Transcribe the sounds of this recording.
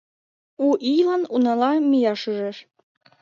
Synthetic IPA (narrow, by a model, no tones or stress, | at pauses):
uʔijlɑnunɑlɑmijɑʃyʒeʃ